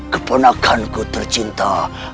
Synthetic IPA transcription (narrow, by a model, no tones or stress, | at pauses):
kponakʰːankot̪əɾt͡ʃint̪a